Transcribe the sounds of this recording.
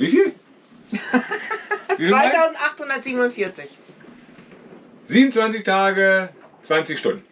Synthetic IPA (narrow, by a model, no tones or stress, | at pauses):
vifiːl | vivaɪaʊzn̩tʔaχthʊndɐtziːbn̩ʊntfiɐt͡sɪç | z̥iːbmn̩t͡sv̥ant͡sɪçtʰaːɡət͡sv̥ant͡sɪçʃtʊndn̩